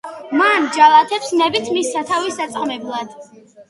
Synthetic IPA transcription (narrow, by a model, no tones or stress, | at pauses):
mand͡ʒalˠat̪ʰɛpsnɛbit̪ʰmisːat̪ʰavisːat̪sʼqʼmɛblˠad̪̥